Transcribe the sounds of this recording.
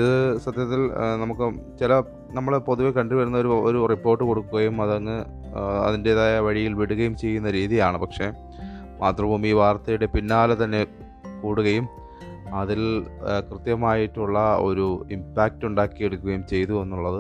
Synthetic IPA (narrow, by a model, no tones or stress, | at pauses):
iðɨsɐd̪ʱjɐt̪ːilnɐmukːɨt͡ɕilɐ | nɐmːɐɭpo̞ðuʋekɐɳɖiʋɐɾunːɐo̞ɾuoɾuripːo̞ːrʈːɨko̞ɽukːuɣɐjumɐðɐnːɨ | ɐ̰ðinde̞ðajɐʋɐɻijilʋiɽuɣɐjumt͡ɕe̞jːunːɐɾiːðijaːɳɨpɐkʂe̞ | maːt̪rɐmuːmiːʋaːrt̪ːɐjuɽe̞pinːaːlɐt̪ɐnːe̞ | kuːɽuɣɐjum | ɐðilkrɨt̪jɐmaːjiʈːuɭːɐo̞̰ɾuimpaːk̚tuɳɖaːkːijeɽukːuɣɐjumt͡ɕe̞jt̪ue̞nːuɭːɐðɨ